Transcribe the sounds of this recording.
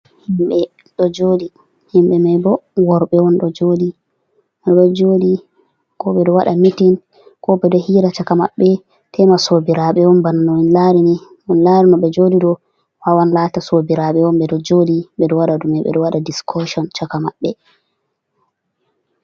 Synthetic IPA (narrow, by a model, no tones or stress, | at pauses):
himɓɛ | ɗɔd͡ʒoːdi | himɓɛmajbɔwɔɾɓɛwɔnɗɔd͡ʒoːdi | maɗɔd͡ʒodi | kɔɓɛɗɔwaɗamitin | kɔɓɛdɔhiːɾat͡ʃakamaɓːɛ | tʰɛmasobiɾaɓɛwɔnbananɔinlaɾinɛ | ɔnlaɾinɔɓɛd͡ʒodidɔ | wawanlatasobiɾaɓɛwɔmɓɛdɔd͡ʒodiɓɛɗɔwaɗadumɛɓɛ̰ɗɔwaɗadiskʰɔʃɔnt͡ʃakamaɓːɛ